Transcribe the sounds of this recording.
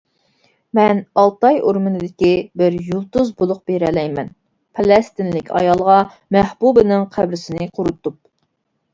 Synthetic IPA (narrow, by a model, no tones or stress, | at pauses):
mɛnɑlˠt̪ɑjoɾmɨnɨd̪ɪkʲibɪɾjulˠt̪uzbolˠʊq̚b̥eɾɛlɛjmɛn | pʰɑlˠɛst̪ɪnlɪkʲʰɑ̰jɑlˠʁɑ | mɛhbubɨnɪŋqʰæbɾɪsɪnɪqʰʊɾut̪up̚